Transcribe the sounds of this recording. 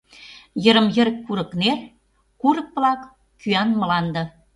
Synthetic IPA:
jə̆ɾə̆mjə̆ɾə̆kkːuɾə̆kner | kuɾə̆k̚plɑkː | yɑnmə̆lɑnd̪ɤ̆

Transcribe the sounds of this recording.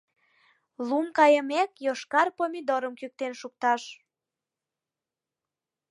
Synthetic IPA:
lumkɑjəmekjoʃkɑrpomʲid̪oɾəmkyk̚t̪enʃuk̚t̪ɑʃ

